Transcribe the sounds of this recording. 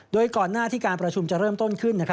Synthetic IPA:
doː˧jkɔː˨˩nːaː˥˩t̪ʰiː˥˩kaː˧npɾa˧t͡ɕʰu˧mt͡ɕa˨˩ɾɤː˥˩mt̪o˥˩nkʰɯ˥˩nːa˥kʰ

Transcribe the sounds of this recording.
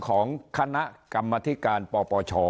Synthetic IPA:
kʰɔː˩˦ŋkʰa˧na˦˥ʔka˧mːaː˧t̪ʰi˦˥kaː˧npɔː˧pɔː˧t͡ɕʰɔː˧

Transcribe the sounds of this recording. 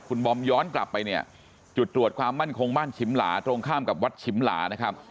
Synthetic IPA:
kʰu˧nbɔ˧mjɔː˦˥nkla˨˩pːa˧jni˥˩ɐ | t͡ɕu˨˩t̪ːɾu˨˩ət̪̚kʰwaː˧mːa˥˩nkʰo˧ŋbaː˥˩nt͡ɕʰi˦˥mla̰ː˩˦t̪ɾo˧ŋkʰaː˥˩mka˨˩p̚wa˦˥t̪̚t͡ɕʰi˦mla̰ː˩˦na˦˥kʰa˦˥p̚

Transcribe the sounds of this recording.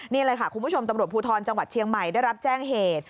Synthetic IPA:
nni˥˩a˧la˧jkʰa˥˩kʰu˧nmʰ˦u˥˩o˧mt̪a˧mɾu˨˩ə˩t̚pʰuː˧t̪ʰɔː˧nt͡ɕa˧ŋwa˨˩t̪̚t͡ɕʰi˧əŋma˨˩jdaː˥˩jɾa˦˥p̚t͡ɕɛː˥˩ŋɦeː˨˩t̪̚

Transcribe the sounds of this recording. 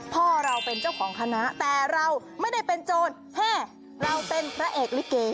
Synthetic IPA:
pʰɔː˥˩ɾa˧wpe˧nt͡ɕa˥˩wkʰɔː˩˦ŋkʰa˧na˦˥ʔt̪ɛː˨˩ɾa˧w | ma˥˩jda˥˩jpe˧nt͡ɕoː˧n | hɛː˥˩ | ɾa˧wpe˧npʰɾa˦˥ʔeː˨˩k̚li˦˥kːeː˧

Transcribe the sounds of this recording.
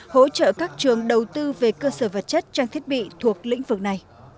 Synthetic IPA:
ho̰˧˥t͡ɕə̰˧˨kaː˦˥k̚t͡ɕɨ˨˩əŋɗə˨˩wt̪ɨ˧ve˨˩kəː˧səː˧˩və˨˩t̚t͡ɕə˦˥t̚t͡ɕaː˧ŋt̪ʰi˦˥ət̚ɓḭ˧˨t̪ʰu˨˩ək̚lḭ̈˧˥ŋ̟vɨ˨˩k̚na˨˩j

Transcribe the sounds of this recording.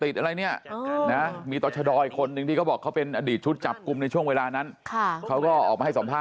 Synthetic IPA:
t̪i˨˩t̪̚ʔa˧ɾa˧jni˥˩ɐəʔːna˦˥miː˧t̪ɔː˧˩t͡ɕʰa˧dɔː˧jkʰo˧nːɯ˧ŋt̪ʰiː˥˩kɔː˥˩bɔː˨˩kʰa˦˥wpe˧nʔaː˧diː˨˩t̪̚t͡ɕʰu˦˥t̪̚t͡ɕa˨˩p̚ku˧mna˧jt͡ɕʰu˥˩əŋweː˧laː˧na˦˥nkʰa˧˩kʰa˦˥wkɔː˥˩ʔɔ̰ː˨˩k̚ma˧a˥˩sa˩˦mpʰaː˥˩

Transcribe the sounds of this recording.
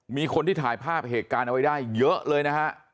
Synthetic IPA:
miː˧kʰo˧nt̪ʰiː˥˩t̪ʰaː˩˦jpʰaː˥˩p̚ɦeː˨˩t̪̚kaː˧nʔa˧wa˦˥jdaː˥˩jːɤ˦˥ʔlɤː˧jna˦˥kʰa˦˥ʔ

